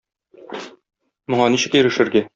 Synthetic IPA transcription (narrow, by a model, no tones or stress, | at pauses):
mŏɴɑniɕɘ̆kjɘ̆ɾɘ̆ʃɘ̆ɾɡæ